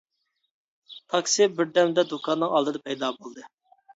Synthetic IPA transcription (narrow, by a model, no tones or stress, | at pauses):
t̪ʰɑksibɪɾd̪ɛmd̪ɛd̪ukʰɑnːɨŋɑlˠd̪ɨd̪ɑpʰɛjd̪ɑːbolˠd̪ɨ